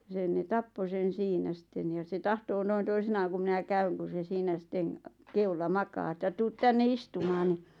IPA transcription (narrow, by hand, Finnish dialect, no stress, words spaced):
sen ne tɑpːo sen̞ siːnæ sĭtːen jɑ̥ se tɑhtoː noin toisinɑːŋ ku minæ kæyŋ ku se siːnæ sitːeŋ keulːɑ mɑkɑː ĕtːæ tuːt tænːe istumɑːn n̥i̥